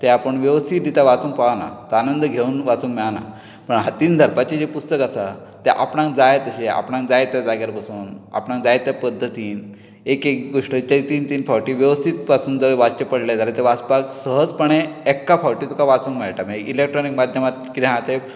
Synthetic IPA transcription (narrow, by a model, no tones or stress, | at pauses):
t̪eapəɳʋjeʋəst̪ʰit̪dit̪ʰaʋat͡sũːŋkpaʋna̰t̪əanənd̪əɡʱeuːnʋat͡suːŋkmɛɭana | pəɳɦat̪iːnd̪ʱəɾpat͡ɕed͡ʑepust̪əkasa | t̪eʔa̰pɳãŋkd͡zajt̪əɕea̰pɳãŋkd͡zajt̪jad͡zaɡaɾpəsuːna̰pɳãŋkd͡zajet̪japəd̪ʱːət̪iːn | ekekɡoʂʈət͡ɕait̪iːnt̪iːnfaʋʈiːʋjəʋəst̪ʰit̪̚pasuːnd͡zəɾʋad͡zt͡ɕepəɽled̪aɾat̪eʋaspaksəɦəd͡zpəɳẽːkːafawʈiːt̪ʰukaʋat͡sũːŋkmɛɭʈameɡilek̚ʈɾɔnikmad̪ʱjəmat̪̚kid̪eɦãt̪e